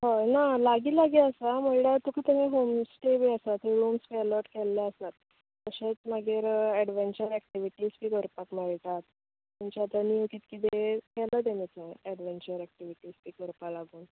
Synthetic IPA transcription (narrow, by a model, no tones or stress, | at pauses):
ɦənalaɡiːlaɡiːəsaməɭɽat̪ukʰət̪əɦẽɦomsʈebiəsat̪iɾumspeəlɔʈkɛlːaəst̪at̪ | kəɕet͡smaɡeɾɛɽʋeɲt͡ɕəɾɛk̚ʈiʋiʈiːspiːkəɾpakmaɭʈ̪at̪ | muɲt͡ɕaat̪laniukiːt̪kit̪ekɛləd̪enet͡saɛɽʋeɲt͡ɕəɾɛk̚ʈiʋiʈiːspiːkəɾpalaɡuːn